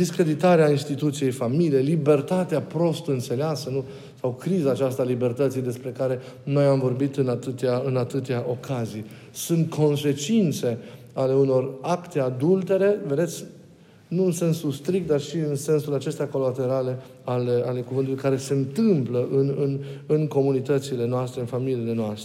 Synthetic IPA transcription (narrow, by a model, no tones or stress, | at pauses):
d̪iskɾe̞d̪it̪aɾeainst̪it̪ut̪sije̞jfamilijejlibe̞rt̪at̪eapɾo̞st̪ɨnt̪se̞leasənu | sawkɾizaːt͡ʃast̪alibe̞rt̪ət̪sijd̪e̞spɾe̞kaɾe̞no̞jamvo̞rbit̪ɨnat̪ɨt̪eaɨnat̪ɨt̪eaʔo̞kʰazij | sunt̪kʰo̞nse̞t͡ʃint̪se̞ | ale̞uno̞rakt̪e̞ad̪ult̪e̞ɾe̞ve̞d̪e̞t̪sʲ | nuɨnse̞nsust̪ɾik̚t̪̚d̪arʃiɨnse̞nsulat͡ʃe̞st̪eako̞lat̪e̞ɾale̞ | aleale̞kuvɨnt̪ulujkaɾe̞se̞nt̪ɨmpləʔɨnɨnɨnko̞munit̪ət̪sile̞noast̪ɾe̞ɨnfamiliːle̞noast̪ɾe